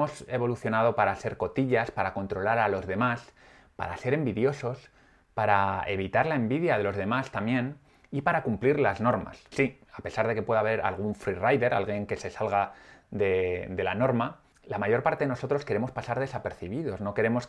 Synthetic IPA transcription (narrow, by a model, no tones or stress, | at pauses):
o̞se̞βo̞luθjo̞naðo̞paɾase̞ɾko̞t̪iʎaspaɾako̞nt̪ɾo̞laɾalo̞zðe̞mas | pa̰ɾa̰se̞ɾe̞mbiðjo̞so̞s | paɾaeβ̞it̪aɾlae̞mbiðjaðe̞lo̞zðe̞mast̪amje̞n | ipaɾakumpliɾlazno̞ɾma̰sːi | ape̞saɾðe̞ke̞pwe̞ðaβe̞ɾa̰lɣ̞uɱfɾirajðe̞ɾa̰lɣje̞ŋke̞se̞salɣaðe̞d̪e̞lano̞ɾma | lamaʝo̞ɾpaɾt̪e̞ðeno̞so̞t̪ɾo̞ske̞ɾe̞mo̞spasaɾð̞e̞sape̞ɾθiβ̞iðo̞zno̞ke̞ɾe̞mo̞s